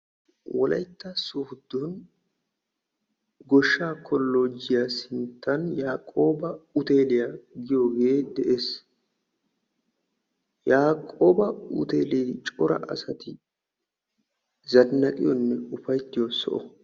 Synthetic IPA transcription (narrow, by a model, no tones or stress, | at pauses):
wɔlɐ̰jt̪ːɐsʊhʊd̪ːun | ɡɔʃːaːkʰɔlːoːd͡ʒɪjasɪnt̪ːɐnjaːkʼo̞ːbɐʊt̪e̞ːlɪjaɡɪjoːɡe̞ːd̪ɛʔe̞ːs | jaːkʼoːbɐʊ̰t̪eːliːt͡ʃʼɔɾɐ̰ʔɐ̰sɐt̪ɪ | zɐnːɐkʼɪjɔnːɛʊfɐjt̪ːɪjosɔ̰ʔɔ